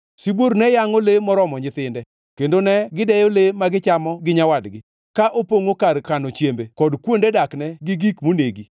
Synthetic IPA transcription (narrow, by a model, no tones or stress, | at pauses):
siboɾnɛjaŋolemɔɾɔmɔɲɪt̪ɪndɛ | kendonɛɡɪdɛjolemaɡɪt͡ʃamɔɡɪɲawadɡɪ | kaʔopoŋokarkanot͡ʃjembekɔdkwondedaknɛɡɪɡikmoneɡi